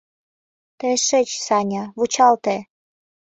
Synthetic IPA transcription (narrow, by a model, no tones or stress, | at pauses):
t̪eʃet͡ɕsɑnʲɑβut͡ɕɑlt̪e